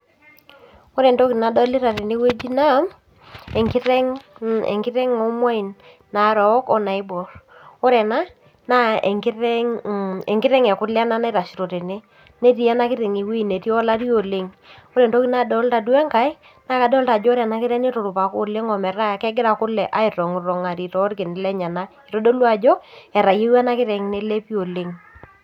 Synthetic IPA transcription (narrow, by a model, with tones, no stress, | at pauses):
ɔ˦ɾɛ˨nto˦ki˨na˨dɔ˦li˦ɾa˨ɾe˨ne˦we˦d͡ʒi˦na˦˨˦m | ɛ˨ŋkɪ˦ɾɛ˦ŋɛ̰˨ŋkɪ˦ɾɛ˦ŋɔ˦mwa˦i˨nː | a˨˦ɾɔ˨˦kɔ˨na˨ɪ˦bɔ˨ɾɔ˦ɾɛ˨na˦ | na˦ḛ˨ŋki˦ɾɛ˦ŋe˨ŋɡɪ˦ɾɛ˦ŋɛ˨kʊ˦lɛ˦na˦na˦ta˨ʃi˨ɾo˨te˨ne˦ | ne˦ti˦ɛ˦na˦kɪ˦ɾɛ˨ŋi˨wi˦˨ne˨ti˦ɔ˦la˦ɾi˦o˨le˦ŋ | ɔ˦ɾe˨nto˦ki˦na˦dɔ˦lta˨du˦ɛ˦ŋka˦ɪ˦ | na˦ka˨dɔ˦lta˨d͡ʒɔ˦ɾɛ˨na˦kɪ˦ɾɛ˦nɪ˦tʊ˨ɾʊ˨pa˨ko˦le˦ŋɔ˨mɛ˨ra˦˨kɛ˦ɡɪ˦ɾa˨kʊ˦lɛ˨ʔa˦ɪ˨ɾɔ˨ŋ˨ɾɔ˨ŋa˨ɾi˨tɔ˦ɾkɪ˨n˨lɛ˦ɲa˨na˦i˨ɾo˦do˦lwa˨d͡ʒɔ˦ɛ˨ɾa˨je˦wa˦na˦kɪ˦ɾɛ˨ŋne˦le˦pi˦o˨le˨˦ŋ